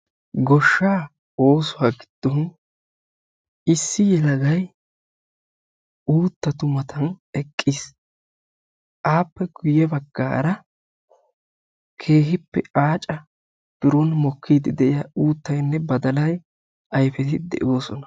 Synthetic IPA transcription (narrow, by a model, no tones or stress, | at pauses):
ɡɔʃːaː | oːsʊwaːɡɪd̪̥ːɔn | ɪsːɪjɛlɐɡɐj | uːt̪ːɐt̪ʊmɐt̪ɐnɛkʼːis | ʔaːpːɛɡʊjɛbɐɡːa̰ːɾɐ | kʰe̞ːɦɪpːɛ̰aːt͡ʃʼɐ | b̥ɪɾɔnmɔkʰːiːd̪ɪd̪ɛʔɪjauːt̪ːɐjnːɛbɐd̪ɐlɐj | ɐjfɛt̪ɪd̪ɛ̰ʔoːsɔnɐ̥